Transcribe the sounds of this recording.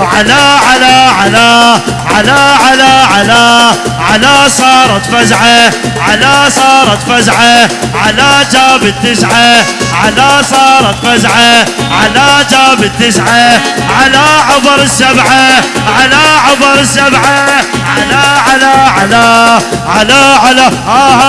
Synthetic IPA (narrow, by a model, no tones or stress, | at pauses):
ʕalaʕalaʕala | ʕalaʕalaʕala | ʕalasˤɑːɾˤɑt̪fazʕa | ʕalasˤɑːɾˤɑt̪fazʕa | ʕalad͡ʒaːbɪt̪ːɪsʕaʕalasˤɑːɾˤɑt̪fazʕa | ʕalad͡ʒaːbɪt̪ːɪsʕa | ʕalaʕʊbɾˤɪsːabʕaʕalaʕʊbɑɾˤsːabʕaʕalaʕalaʕala | ʕalaʕalaa